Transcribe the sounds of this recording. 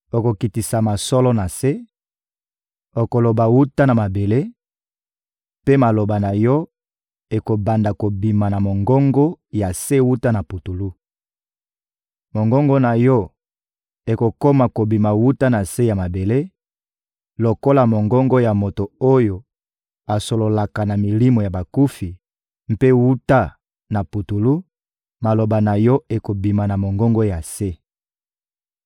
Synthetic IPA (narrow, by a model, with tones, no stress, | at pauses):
o˨ko˨ki˨ti˨sa˨ma˨sɔ˦lɔ˦na˨se˦ | o˨ko˨lo˨ba˨wu˦ta˦na˨ma˨be˨le˦ | pe˦ma˨lo˨ba˨na˨jɔ˦ | e˨ko˨ba˨nda˨ko˨bi˨ma˨na˨mo˨ŋɡo˦ŋɡo˦ja˨se˦wu˦ta˦na˨pu˨tu˨lu˦ | mo˨ŋɡɔ˦ŋɡo˦na˨jɔ˦ | e˨ko˨ko˦ma˨ko˨bi˨ma˨wu˦ta˦na˨se˦ja˨ma˨be˨le˦ | lo˨ko˦la˨mo˨ŋɡɔ˦ŋɡo˦ja˨mo˨to˨o˦jo˨ | a˨so˨lo˨la˨ka˨na˨mi˨li˦mo˨ja˨ba˨ku˦fi˨ | m̩˦pe˦wu˦ta˦ | na˨pu˨tu˨lu˦ | ma˨lo˨ba˨na˨jɔ˦e˨ko˨bi˨ma˨na˨mo˨ŋɡɔ˦ŋɡo˦ja˨se˦